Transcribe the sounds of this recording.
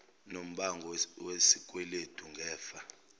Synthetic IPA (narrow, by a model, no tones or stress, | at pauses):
nom̩ɓaŋʱɔwesik̬ʼwɛletʰʼuŋɡʱɛːfa